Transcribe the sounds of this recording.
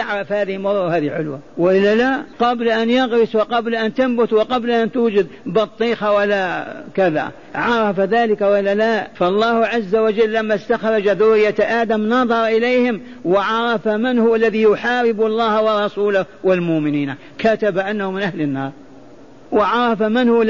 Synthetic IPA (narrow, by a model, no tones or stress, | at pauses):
jaʕɾˤɑfhaːðɪhɪmʊɾˤːahaːðiʕʊlwawɪʔɪlːalaqɑblaʔanjaɣɾɪswɪqɑblaʔant̪ambʊt̪wɪqɑblaʔant̪uːd͡ʒad̪bɑt̪ˤːiːxawalːakaða̰ | ʕɑɾˤɑfaðaːlɪkawɪlːalaːʔfɑlˤːɑːhʕazːawad͡ʒalːamːast̪axɾˤɑd͡ʒaðʊrɪjːat̪ʔaːd̪amnɑðˤɑɾˤɑʔɪlejhɪm | wɪʕɑɾˤɑfamɪnhʊwalːaðijʊħaːɾɪbɑlˤːɑːhawɑrˤːɑsuːlawɪlmʊʔmɪniːna | kat̪abaʔanːahʊmɪnʔahlɪnːɑːɾˤ | wɪʕɑɾˤɑfamɪnhʊ